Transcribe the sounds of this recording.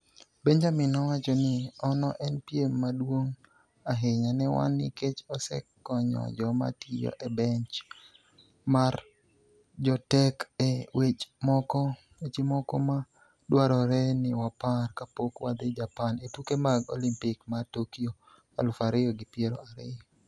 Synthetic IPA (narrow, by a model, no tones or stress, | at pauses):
beɲd͡ʒamɪnɔwat͡ʃɔnɪɔnɔʔɛnpjemːadwoŋ | aɦeɲanɛwa̰nɪket͡ʃɔsɛ̰kːɔɲɔ̰d͡ʒɔma̰tʰijɔ̰ʔɛbɛɲt͡ʃ | mar | d͡ʒɔtɛkɛwet͡ʃmɔkɔ | et͡ʃemɔkɔma | dwaɾɔɾɛnɪwaparkapokwad̪ed͡ʒapanetukemaɡo̰limpɪkmatokio | a̰lʊfaɾɪɔɡɪpjeɾɔ̰aɾɪjɔ